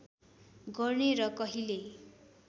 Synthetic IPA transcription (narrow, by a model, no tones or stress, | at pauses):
ɡʌrneɾʌkʌɦile